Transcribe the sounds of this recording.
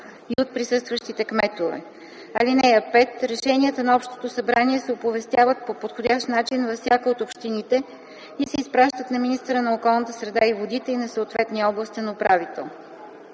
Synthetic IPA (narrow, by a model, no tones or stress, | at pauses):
iot̪̚pɾisɤst̪vəʃt̪it̪ɛkmɛt̪ovɛ̰ | ɐlinɛɐpɛt̪ɾɛʃɛniət̪ənɐɔpʃt̪o̥t̪osɐbɾaniɛsɛopovɛst̪javət̪̚popot̪xodʲaʃt̪nat͡ʃinvɐfsʲjakəot̪opʃt̪init̪ɛ | isɛispɾaʃt̪ət̪nɐminist̪əɾənɐokɔlˠnət̪əsɾɛd̪aivod̪it̪ɛinɐsəot̪vɛt̪niɔblˠəst̪ʲənɐopɾavit̪ɛ̰lˠ